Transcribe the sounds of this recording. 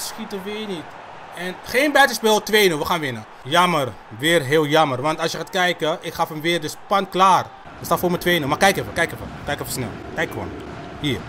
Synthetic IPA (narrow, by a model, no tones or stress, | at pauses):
sχitəʋɪːnit | ɛnχeːnbɛːtəspɪlˠtʋejnəʋəχaːnʋɪnə | jɑmər | ʋɪːrɦɪːlˠjɑmərʋɑntɑlˠsjəχaːtkɛjkəʔɪkχɑfəmʋɪːrdəspɑntklaːr | əstaːtfoːɹmətʋejnəmakɛjkɛfəkɛjkɛfə̰kɛjkɛfəsnɛ̰lˠkɛjkχəʋo̰ːn | hiːr